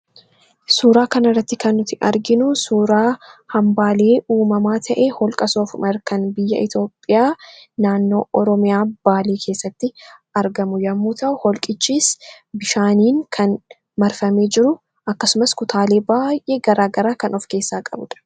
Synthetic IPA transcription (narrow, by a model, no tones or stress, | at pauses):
suːɾaːkɐnɐrːɐt̪ːɪkɐnːʊt̪ɪʔɐ̰ɾɡɪnʊsuːɾaːhɐmbaːleːʔuːmɐmaːt̪ʰɐʔeːhɔlkʼɐsoːfʊmɐɾkɐnbɪjːɐ̰ʔɪt̪jo̞ːpʼːɪjaːnaːnːo̞̰ːʔɔɾɔmɪjaːb̥aːliːkʰe̞ːsːɐt̪ːɪɐɾɡɐmʊjɐmːuːt̪ɐʔʊhɔlkʼɪt͡ʃːiːs | bɪʃaːniːnkʰɐn | mɐɾfɐme̞ːd͡ʒɪɾʊ | ʔɐkːɐsʊmɐskʊt̪ʰaːle̞ːbaːjʔeɡɐɾaːɡɐɾaːkɐnɔfke̞ːsːaːkʼɐbʊᶑɐ̥